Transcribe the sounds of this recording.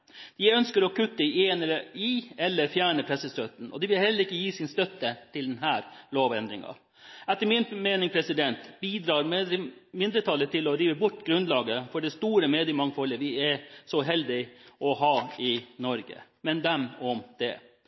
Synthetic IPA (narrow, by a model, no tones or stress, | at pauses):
d̪̥ɪœnskəɾɔkʉt̪ːəenəɪɛlːəɾfjæːɳəpʰɾɛsːəst̪œt̪n̩ɔ̰d̪ɪʋɪlhɛlːəɾɪkːəjiːsɪnst̪œt̪ːət̪ʰɪld̪ɛnɦæːɾloːʋɛnd̪ɾɪŋɑ̰ | ɛt̪ːəmɪnmeːnɪŋpʰɾɛsɪd̪ɛnt̪biːd̪ɾɑːɾmɪnd̪ɾət̪ʰɑlːət̪ʰɪlɔɾiːʋəbʊʈːɡɾʉnd̪lɑːɡəfɔɖɛst̪uːɾəmɛːd̪ɪmɑŋfɔlːəʋɪɛsɔɦɛld̪ɪʔɔɦɑːɪnɔɾɡə̰mɛnd̪ɛmɔmd̪̥ɛ